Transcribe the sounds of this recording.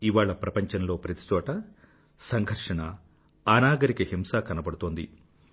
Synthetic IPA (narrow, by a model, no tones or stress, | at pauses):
iʋaːɭɐpɾɐpɐɲt͡ʃɐnlo̞ːpɾɐt̪i̥t͡ʃɔːʈɐ | sɐŋɡʱɐɾʂɐɳɐ | aːnaːɡɐɾikɐhimsaːkɐnɐbɐɽut̪oːnd̪ḭ